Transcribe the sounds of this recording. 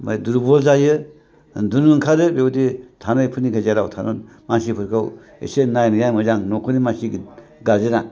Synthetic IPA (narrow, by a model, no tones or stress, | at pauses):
ma̰duɾbɔlzajɯ | dunɯŋkʰaɾɯbewutitʰanajpʰɯnikʰazaɾawtʰano̰ | mansipʰɯɾkʰaw | ḛsenajnɯjajmɯzaŋnɔkʰɯnimansiɡɡazɯna